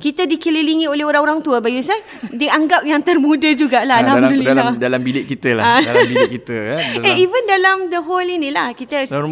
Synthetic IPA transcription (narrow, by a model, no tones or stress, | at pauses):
kit̪adikililiŋĩoleɦoɾaŋoɾaŋt̪uəbajusa | diaŋɡap̚jaŋt̪ərmũdəd͡ʒuɡaʔlalamdulidalambilɪʔ̚kit̪əlaaalabikit̪əeivəndalamd̪əɦolinĩlahkit̪ə